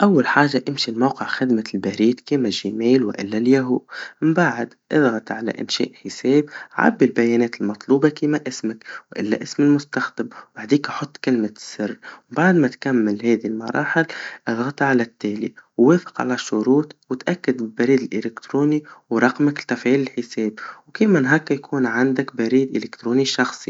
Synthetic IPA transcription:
ʔawːalħaːʒːaʔɪmʃilmawqɪʕxɪd̪malbaɾiːd̪kiːmaʒːɪmeːlwɪ̰ʔɪ̰lːaljaɦuːʔmbaʕɪd̪ʔɪðɣɑt̪ʕala̰ʔɪ̰nʃɛ̰ːʔħɪseːbʕa̰bːilbajɛːnɛːt̪ɪlmɑt̪ˤluːbɑkiːmaʔɪsmɪkwʔɪ̰lːa̰ʔɪsmɪlmʊst̪axd̪ɪmwaʕd̪iːkʔɑħot̪ˤːkɪlmasːɪrˤːbaʕd̪mat̪kamːɪlhɛːðilmɑ̰ɾˤɑ̰ːħɪlʔɑðˤɣɑt̪ʕalat̪ːeːlḭwːeːfɪ̥qʕa̰laʃːʊɾuːt̪wɪt̪ʔakːad̪bɪbaɾiːd̪ɪlʔɪlɪkt̪ɾuːniwɾˤɑqmakt̪ːafʕiːlɪlħɪseːbwkiːmanɦakːajkʰuːnʕand̪akbaɾiːd̪ʔɪlɪkt̪ɾoːniʃɑxsˤi

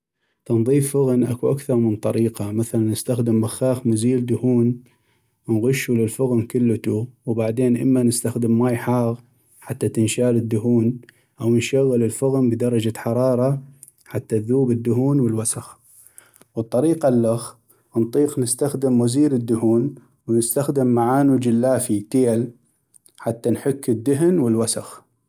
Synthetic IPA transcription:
t̪ɑnðˤiːfːʊɣnʔa̰kuʔakθɑɾˤmənt̪ˤɑɾiːqɑmaθalanːɪst̪axd̪ɪmbaxaːxmʊziːld̪ʊhuːn | nɣʊʃːulɪlfʊɣnkʊlːt̪uwbaʕd̪eːnʔə̰mːanɪst̪axd̪ɪmːajħɑːɣ | ħat̪ːat̪ɪnʃaːlɪd̪ːʊɦuːn | ʔawnʃaɣːɪlɪlfʊɣnbd̪ɑɾˤɑd͡ʒaħɑɾˤɑːɾˤɑ | ħat̪ːaðuːbɪd̪ːʊɦuːnwəlwasax | wɨt̪ˤːɑɾiːqalːax | nt̪ˤiːqnɪst̪axd̪ɪmwaziːɾɪd̪ːʊhuːn | wnɪst̪axd̪ɪmːaʕaːnud͡ʒɪlːaːfit̪eːl | ħat̪ːanħʊkːɪd̪ːʊɦnwɪlwasax

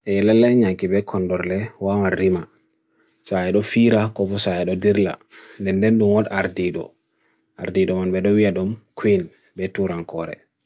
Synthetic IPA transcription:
ʔɛlalːaɲaŋkibɛkʰɔndɔɾlɛwamanːima | saɛɗɔfiɾakɔfɔsajɛɗɔdiɾla̰ndɛndɛnɗumwɔɗaaɾdiɗɔ̰ | ʔaɾdiɗɔmanbɛɗɔwijaɗumkin | bɛtuɾaŋkɔɾɛ̰

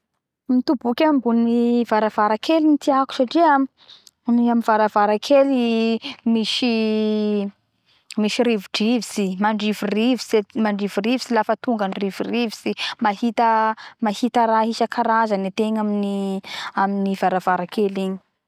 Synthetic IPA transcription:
mit̪ubukʲambuniv̥aɾavaɾakelinit̪iaku̥saʈ͡ʂiam | niaminvaɾavaɾakʰelimiʃi | miʃiɾivuɖ͡ʐivisimaɳɖ͡ʐivurivisemaɳɖ͡ʐivurivisilafət̪uŋɡanirivurivisimahit̪əmahit̪əɾaɦiʃakʰaɾazanet̪eɲaminiaminivaɾavaɾakʰeliɲi̥

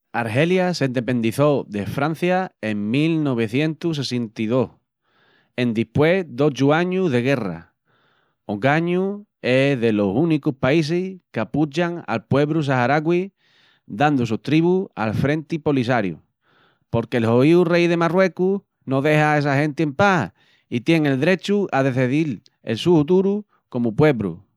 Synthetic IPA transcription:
aɾɦe̞ljasend̪epe̞nd̪iθo̞ðe̞fɾan̟θjaeŋmilno̞β̞e̞θje̞nt̪us̬e̞sent̪iðo̞h | e̞nd̪ihpwe̞d̪o̞t͡ʃuaɲuðe̞ɣ̞e̞ra̰ | oɡaɲu | e̞ðe̞lo̞sunikuhpais̬ehkaput͡ʃaŋa̰lpwe̞βɾus̬aɦaɾaɣwi | d̪and̪us̬uht̪ɾiβua̰lfɾẽ̞nt̪ipo̞lis̬aɾjṵ | po̞ɾkelho̞iurejðe̞marwe̞ku | no̞ðe̞hae̞s̬aɦẽ̞nt̪eempah | it̪je̞ŋe̞ld̪eɾe̞t͡ʃuaðe̞θeðil | ḛlsufut̪uɾu | ko̞mupwe̞βɾṵ

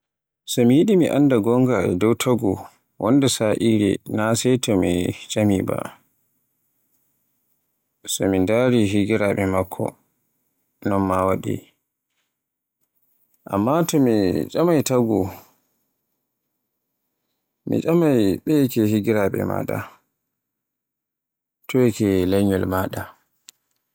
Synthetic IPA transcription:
sɔmijiɗimiʔandaɡɔŋɡaɛdɔwtʰaɡu | wɔndɛsaʔiːɾɛ̰nasɛjtɔmit͡ʃamiba̰ | sɔmindaɾiɦiɡiɾaɓɛmakʰːɔ̰ | nɔnmawaɗḭ | ʔa̰mːatɔmit͡ʃamajtaɡu | mḭt͡ʃʼamajɓɛkɛhiɡiɾaɓɛ̰ma̰ɗa̰ | tʰɔɛkɛlaɲɔlmaːɗa

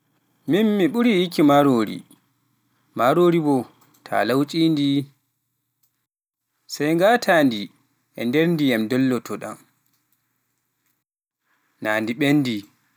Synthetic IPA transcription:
minːiɓuɾiikimaɾoːɾḭ | maɾoɾibɔ | tʰa̰lawt͡ʃʼiːndi | sajŋɡaːtʰaːndi | ʔɛ̰ndeɾndijamdɔlːɔtʰɔɗa̰m | naːndiɓenːdi

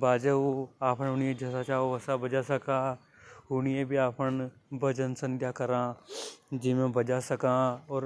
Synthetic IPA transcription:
baːd͡ʒəoaːpʰənʊniẽd͡ʒɐsat͡ʃaːoʋɐsabɐd͡ʒasɐka | ʊniebʱiaːpʰən | bəd͡ʒənsə̃nd̪ʱjakɐɾã | d͡ʒɪmẽbɐd͡ʒasɐkãɔːɾ

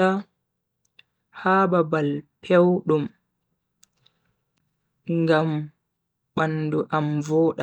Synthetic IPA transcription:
a | haːbabalpʰɛwɗum | ŋɡam | ɓanduʔamvɔːɗa

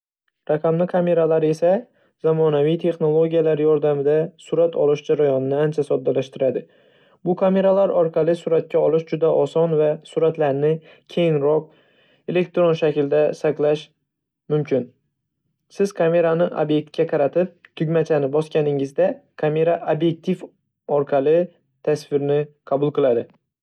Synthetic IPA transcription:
ɾaqʰɑmlɪkʰame̞ɾalaɾe̞sa | z̥amɒnavijt̪ʰe̞χno̞lˠoɡʲijalaɾjɒɾd̪amɪd̪asʊɾat̪ʰɒ̰lˠɪʃd͡ʒaɾajɒnɪnɪant͡ʃʰasɒd̪ːalaʃt̪ɪɾad̪ɪ | bʊkʰame̞ɾalaɾɒɾqʰɑlˠɪsuɾat̪̚kʲaɒlˠɪʃd͡ʒʊd̪aʔɒsɒnvasuɾat̪laɾnɪ | kʲʰe̞jɪnɾɒq̚ | e̞le̞kt̪ɾonʃakʲɪld̪asaqlˠaʃ | mʊmkʲʰɪn | sɪz̥kʰame̞ɾanɪʔo̰bje̞k̚t̪̚kʲaqʰɑɾat̪ʰɪp̚t̪ʰʊɡʲmat͡ʃʰanɪbɒskʲanɪŋɪzd̪akʰame̞ɾaʔobje̞k̚t̪ʰif | ɒɾqʰɑlˠɪ | t̪ʰasfɪɾɪnɪqʰɑbʊlˠqɨlˠad̪ɪ

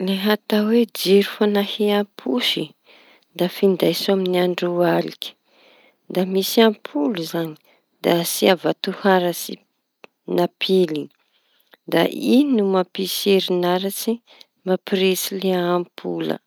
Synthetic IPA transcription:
leɦat̪awed͡ʒiɾu̥fanahiapʰuʃi | d̪afind̪ajsaminiaɳɖ͡ʐualḭkʲi̥ | d̪amisiampʰuluzani̥ | d̪asiavat̪uhaɾəsḭ | napʰili | d̪a̰ʔinumapiseɾinaɾat͡si | mapiɾesileaːmpʰulə̰

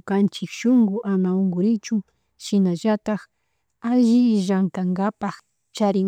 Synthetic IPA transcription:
kant͡ʃɪkʃʊŋɡʊʔamaʊŋɡʊɾɪt͡ʃʊ | ʃɪnaʒat̪ax | aʒɪʒaŋk̪aŋɡapax | t͡ʃaɾɪŋ

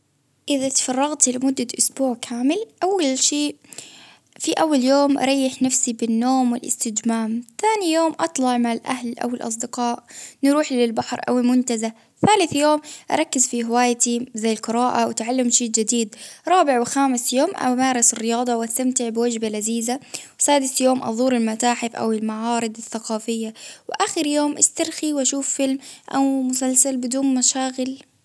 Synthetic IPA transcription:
ʔɪðat̪fɑrˤːɑɣt̪lɪmʊd̪ːaʔʊsbuːʕkʰaːmɪlʔawːalʃiːʔ | fiʔawːaljoːmʔɑ̰ɾˤɑjːɪħnafsibɪnːoːmwɪlʔɪ̰st̪ɪd͡ʒmaːmθaːnijoːmʔɑt̪ˤlɑʕmaʕɪlʔa̰hlʔa̰wɪlʔɑ̰sˤd̪ɪqɑːʔnɾuːħlɪlbaħɾˤʔa̰wɪlmʊnt̪aza | θaːlɪθjoːmʔɑ̰ɾˤɑkːɪzfiɦɪwaːjt̪izajːɪlqɨɾaːʔawɪt̪ʕalːamʃiːʔd͡ʒɪd̪iːd̪ɾˤɑːbɪʕwɪxaːmɪsjoːmʔa̰maːɾˤɪsɪrːɪjɑːd̪ˤɑwʔast̪amt̪ɪʕbɪwad͡ʒbalaziːzawsaːd̪ɪsjoːmʔɑ̰ðˤuːɾɪlmat̪aːħɪfʔa̰wɪlmaʕɑːɾˤɨd̪ˤɪθːaqɑːfɪjːawɪʔaːxɪɾjoːmʔast̪ɑɾˤxiwʔaʃuːfːɪlmʔa̰wmʊsalsalbɪd̪uːnmaʃaːɣɪl

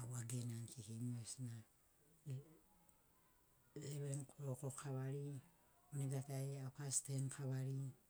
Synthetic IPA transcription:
awaɡenankikimuesna | leβeɾnkɾokokʰaβaɾi | oniɡataeawkastenkʰaβaɾi

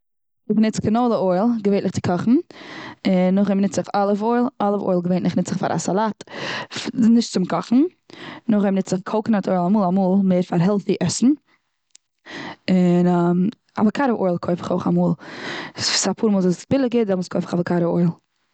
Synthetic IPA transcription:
ɪχnɪt͡skɪnoʊlˠəoɪlˠɡəveːtnɪχt͡sɪ̥kʰɔχn̩ | ɪnːʊχɛmnɪt͡szɪχalˠəfoɪlˠalˠəfo̰ɪlˠɡəveɪntnɪχnɪt͡sɪχfa̰ɾʔa̰salˠaːt | nɪʃtt͡sʊmkʰɔχn̩ | nʊχɛmnɪt͡szɪχkʰolˠkənatʰoɪlˠamuːlˠamuːlˠmeːɾfaɾɦɛlˠθiʔɛsn̩ | ɪnam | a̰vəkʰaɾəʔo̰ɪlˠkʰoɪfɪ̥χoʊχamuːlˠssapʰuːɾmɔːlˠzɪb̥ɪlˠɪɡɪdɛmʊskʰoɪfɪ̥χavəkʰaɾəoɪlˠ

